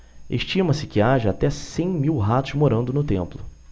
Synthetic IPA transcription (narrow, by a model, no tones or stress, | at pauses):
ḛʃt͡ʃĩmɐsɪkɪaʒɐat̪ɛsẽj̃miwɦat̪ʊʃmoɾɐ̃nd̪ʊnʊt̪ẽmplʊ